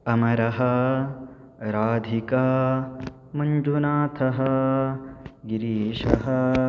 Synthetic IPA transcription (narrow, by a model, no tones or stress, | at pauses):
ɐmɐɾɐɦɐ | ɾaːd̪ʱikɐ | mɐɲd͡ʒunaːt̪ʰɐɦɐ | ɡiɾiːʂɐɦɐ